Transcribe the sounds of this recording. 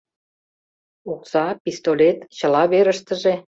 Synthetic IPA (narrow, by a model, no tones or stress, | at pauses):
uksɑpist̪olʲet̪t͡ɕə̆lɑβeɾəʃt̪ə̆ʒe